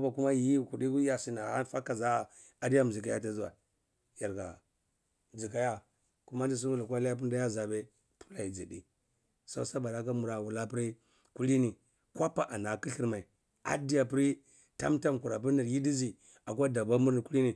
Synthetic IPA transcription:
ba˨ku˦ma˦ji˦˨ku˨di˦ku˦ja˨si˨na˨ha˦fa˦kːa˨za˦˨ | a˨di˦a˦m˨zi˨ka˨˦ja˦ta˦zu˦wa̰˨ | ja˨ɾɡa̰˨ | d͡zi˨ka˨ja˦ | ku˦ma˦n˦di˦s̬u˦nu˦la˨kʷa˦la˦ja˦p̬u˦da˦ja˦za˨be˦ | pʰu̥˦la˨ji˨d͡zi˨dḭ˨ | so̰˦sa˦ba˨da˦k̬a˦mu˨ɾa˨wu˨la˦pi˦ɾi˦ | ku˦li˦ni˨ | kʷa˦pa˨ʔa˨na˨ki˦ɬi˦ɾma˨i˨ | a̰˨di˦ja˨pi˦ɾi˦ | ta˦mta˦m˨ku˨ɾa˨p̬i˦ɾni˨ɾji˦di˦zi˨ | a˨kʷa˦da˨ba˦mu˦ɾni˨ku˦li˦ni˨

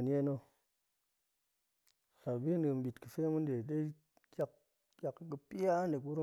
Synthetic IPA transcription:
n˦e˦no˦ | sa˨bi˦nɨ˨m˨bi˨tkɨ˨fe˦mu˦nde˨de˦ | kʲa˨k̚ | kʲa˨kːkɨ˨˧pi˦ja˦nde˨k̬u˦ɾu˦

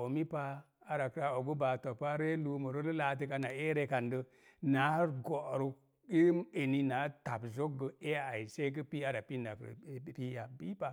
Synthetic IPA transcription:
o˨mi˦pa˦ | a˦ɾa˨kɾa˨o˨ɡu˦ba˨to˨pa˦ɾe˦lu˨mə˨ɾo˦lə˦la˨t̬i˧ka˧na˨e˦ɾe˧ka˨ndə˧ | na˨˦ɾɡo˨ɾu˦ | i˦me˨ni˧na˨˦ta˨bzo˦ɡə˨e˦a˨i˨se˦k̬ə˦pi˦a˦ɾa˨pi˦na˨kɾ̰pi˦ja˨bi˦pa˨

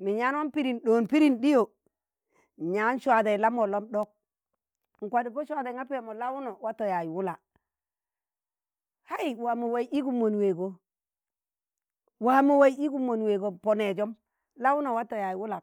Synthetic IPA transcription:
mi˨ɲa˦nwa˦mpi˦ɾi˨nɗo˨npi˦ɾi˨nɗi˦jo˨ | ɲa˦n˦ʃwa˨da˨i˨la˦mo˨lo˦mɗo˦k̚ | ŋ̩˨kʷa˨di˨po˦ʃʷa˨da˨ŋa˦pi˦o˨mo˨la˦wu˦no˨wa˦to˨ja˨ji˨wu˦la˨ | ha˦i˨wa˨mo˨wa˨i˦ʔi˦ɡu˨mːo˨n˨we˨ɡo˦ | wa˨mo˨wa˦i˦i˦ɡu˦˨mo˨nwe˨ɡo˨po˨ne˨d͡ʒo˦m | la˦wu˦no˨wa˦to˨ja˨ji˨wu˦la˨

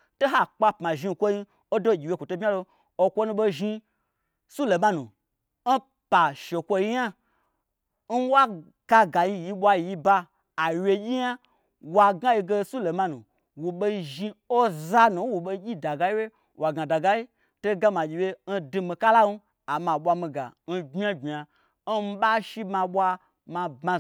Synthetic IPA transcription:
to˦ɦa˦˨k͡pa˧pma˨ʒi˧n˨kʷo˦ji˧ | o˦do˦˨ɡʲi˨we˧˦kʷo˨to˧˦bʲa˦lo˧ | o˧kʷo˦nũ˧ɓo˧ʒi˧ | su˦lo˨ma˦nũ˨ | n̩˦ | pa˨ʃe˨kʷo˧˦ji˦ɲa˦ | n̩˦wa˦ | ka˧ɡa˨ji˧˨ji˧ɓʷa˧˨ji˧baː˧˨ | wʲe˧ɡʲi˦ja˦ | wa˧ɡa˦ji˧ɡe˧su˦lo˨ma˧nṵ̃˨ | wo˨ɓo˦˧ʒi˧o˦za˧nu˨˦wo˨ɓo˧˦ɡʲi˦da˨ɡa˦i˦we˦ | wa˨ɡa˨da˨ɡa˦ji˦ | to˦ɡa˦mã˨d͡ʒʲi˨je˧n̩˦du˧mĩ˧ka˦la˦nu˦ | a˨mã˨ɓʷa˧mĩ˧ɡa̰˨n̩˦ɡ͡bʲa˦ɡ͡bʲa˨ | n̩˦m̩˦ɓa˦ʃi˦mã˧ɓʷa˧ | mã˧ba˧

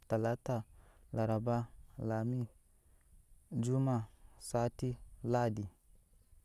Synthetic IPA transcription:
ta˨la˦ta˨la˨ɾa˨ba˦la˨mi˦ | d͡ʒu˦ma˨sa˦ti˦la˦di˨

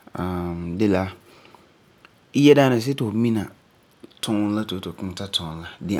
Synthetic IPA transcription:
ã˨mdɪ˦la˦ | ɪ˦jɛ˦daː˦nɪ̃˨s̬ɛ˦tɪ˨ʊ˨mĩ˦nã˨ | tʰʊ̃˦la˦to˨˦to˨kʊ̃˦n˨tʰa˦tʰʊ̃˨˦n˦la˦dɪ˦

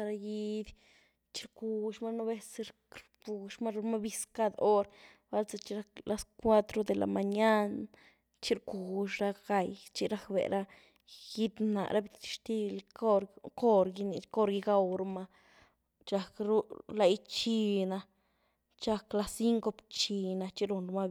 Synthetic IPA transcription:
ɾa˧ji˦d̪ʲ | t͡ʃi̥˦ɾku˧ʃma˦no˦be˧sɾkɾpu˨ʃma˦ɾu˧ma˦bi˦ska˦d̪o˦ɾ | ba˦lt͡sa˧t͡ʃi˦ɾa˦kla˦skʷa˦t̪ɾo˧d̪e˨la̰˨ma˨ɲa˦n | t͡ʃi˦ɾku˨ʃɾa˦ɡa˧jt͡ʃi˦ɾa˦kbḛ˨ɾa˦ | ji˦d̪na̰˨ʔɾa˦bi˧t̪i̥˧ʃt̪i˦lo˦ɾko˦ɾɡi˧ni˨ko˦ɾɡi˧ɡa˦˧wɾu˧ma˧ | t͡ʃa˧kɾu˦la˧jt͡ʃi˧na˧ | t͡ʃa˧kla˧si˦ŋko˧pt͡ʃi˧na˧t͡ʃi˦ɾu˧˨nɾu˧ma˦

